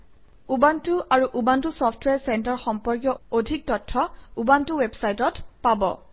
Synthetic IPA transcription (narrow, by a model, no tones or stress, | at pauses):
ubantʊʔaɹuʔubantusɔpʰtʰwɛsɛntaɹxɔmpɔɹkjɔodʱik̚tɔtʰːɔubantuwebsajtɔtpabɔ̰